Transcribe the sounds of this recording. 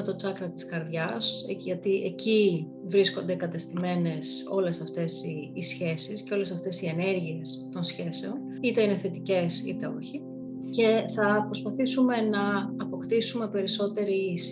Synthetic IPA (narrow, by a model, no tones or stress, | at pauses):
et̪o̞t͡sɐkɾɐt̪i̥skɐɾðʝɐsʝɐt̪iʔeci | vɾisko̞nd̪e̞kɐt̪est̪ime̞ne̞so̞le̞sɐft̪e̞siːsçe̞sisceo̞lesɐft̪e̞sie̞ne̞ɾʝie̞st̪o̞nsçe̞se̞o̞n | it̪e̞ine̞θe̞t̪ice̞sḭt̪e̞o̞çi | ce̞θɐpɾo̞spɐθisume̞nɐːpo̞kt̪isume̞pe̞ɾiso̞t̪e̞ɾis